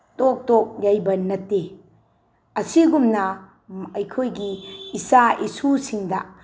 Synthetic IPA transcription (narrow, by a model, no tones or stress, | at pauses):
tok̚tok̚jajbɐnɐtːe | ɐsiɡumnɐ | ɐjkʰojɡiːsaʔisusiŋdɐ